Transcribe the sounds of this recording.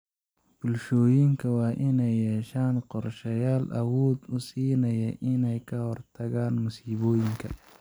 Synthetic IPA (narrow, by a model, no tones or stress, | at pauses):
b̥ʊlʃɔːjɪŋkʰɐwɑːʔɪnɛjːɛːʃaːnqɔrʃɐjaːlʔɐwɔːd̪ʊsiːnɐjɐʔɪnɛjkʰɐhɔrt̪ʰɐɣaːnmʊsiːβɔːjɪŋkʰɐ